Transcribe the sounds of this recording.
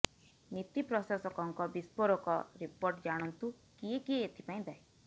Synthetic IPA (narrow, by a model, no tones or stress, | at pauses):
nit̪ipɾɔsasɔkɔŋkɔbispɔɾɔkɔɾipoɾʈd͡ʒaɽ̃ɔnt̪u | kiekieet̪ʰipaĩd̪ae